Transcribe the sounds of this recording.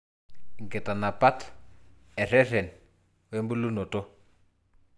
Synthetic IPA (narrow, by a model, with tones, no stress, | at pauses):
ŋɡe˨ta˨na˨pa˦t | ɛ˨ɾɛ˦ɾɛ˨n | we˦mbu˦lu˦no˨to˦